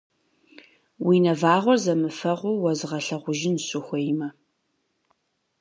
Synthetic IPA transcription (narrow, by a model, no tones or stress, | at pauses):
winɐvaːʁʷɔrzɐmɨfɐʁʷʊwɐzʁɐɬɐʁʷʊʒɪnɕʼʊxʷɔjmɐ